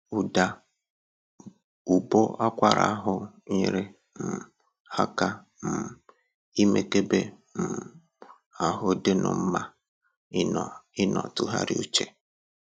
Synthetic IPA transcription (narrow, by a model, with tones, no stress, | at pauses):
u˨da˨ | u˨bo˦a˦kʷa˨ɾa̰˨a˦ɦʊ˦ɲi˦ɾe˦ | m̩˨ | ha˦ka˦ | m̩˨ | i˦me˦˨ke˦be˦ | m̩˨ | a˨ɦʊ˦de˦nʊ̰˨m̩˦ma˦˨ | ɪ˦nɔ̰˨tʊ˨ɦa̰˦ɾɪ˦u˦t͡ʃe˨